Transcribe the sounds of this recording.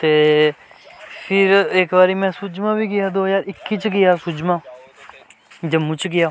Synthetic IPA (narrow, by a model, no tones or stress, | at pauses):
t̪eː | fʰɪɾeːkbaːɾiːmɛ̃ːsʊd͡ʒmãːbʱiɡɪjaːd̪oːd͡ʒaːɾɪkːit͡ʃɡɪjaːsʊd͡ʒmãː | d͡ʒɐmːʊt͡ʃɡɪjaː